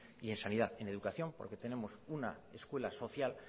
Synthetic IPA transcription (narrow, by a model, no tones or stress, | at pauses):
ie̞nsaniðaðe̞ne̞ð̞ukaθjo̞mpo̞ɾke̞t̪e̞ne̞mo̞suna̰ | e̞skwe̞laso̞θjal